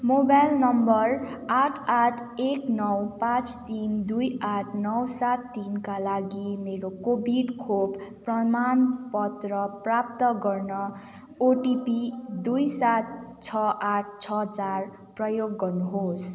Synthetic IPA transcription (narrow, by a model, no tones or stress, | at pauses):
mobajlnʌmbʌraʈʰaʈʰeknʌwpãt͡st̪ind̪ujaʈʰnʌwsat̪ːinkalaɡimeɾokobiɖkʰobpːrʌmanpʌt̪rʌprap̚t̪ʌɡʌrnʌ | oʈipid̪ujsat̪̚t͡sʰʌʔaʈʰt͡sʰʌt͡sar | prʌjoɡːʌrnuɦos